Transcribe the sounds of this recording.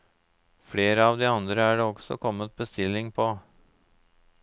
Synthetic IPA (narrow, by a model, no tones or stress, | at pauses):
fɽeːɾəɑːʋd̪iːɑnd̪ɾəæːɖeːɔɡsɔ̰kʰɔmət̪̚bəst̪ɪlɪŋpʰɔ